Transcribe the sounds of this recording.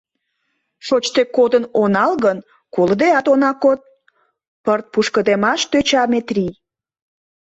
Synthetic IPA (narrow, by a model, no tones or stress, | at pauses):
ʃot͡ɕt̪ekod̪ənonɑlɣən | koləd̪eɑt̪onɑkot̪̚ | pərt̪̚puʃkəd̪emɑʃt̪øt͡ɕɑmet̪rʲij